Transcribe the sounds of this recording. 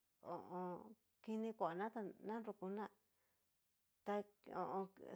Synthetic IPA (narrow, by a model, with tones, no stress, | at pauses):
õ̰˨ʔõ˧ | ki˧nĩ˧kʷa˨nã˦t̪a˧nã˦ɾu˧ku˧nã˦ | t̪a˧õ̰˧ʔõ˧